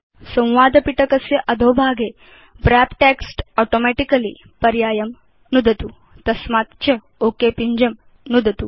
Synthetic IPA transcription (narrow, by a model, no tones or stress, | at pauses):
sɐ̃w̃ʋaːd̪ʱpiʈɐkɐsjɐʔɐd̪ʱoːbʱaːɡe | bɾæpʈeksʈɔʈomɛʈikɐlḭ | pɐɾjaːjɐm | nud̪ʱɐt̪u | t̪ɐsmaːt̪t͡ɕɐ | oːkeːpiɲd͡ʒɐm | nud̪ʱɐt̪u